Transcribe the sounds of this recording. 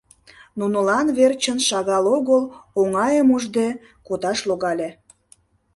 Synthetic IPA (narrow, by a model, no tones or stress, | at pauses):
nunəlɑnβert͡ɕənʃɑɣɑloɣəloŋɑjəmuʒd̪e | kod̪ɑʃloɣɑlʲe